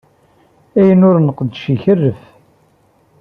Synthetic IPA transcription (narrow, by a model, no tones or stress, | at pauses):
æjənʊɾnəqd̪ʃiçərːəf